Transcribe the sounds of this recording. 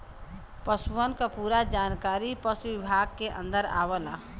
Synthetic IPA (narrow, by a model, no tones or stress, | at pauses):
pəsʋənkapuːɾad͡ʒaːnkaːɾipəsʋɪbʱaːɡ̚keʔə̰̃nd̪əɾa̰ːʋəla̰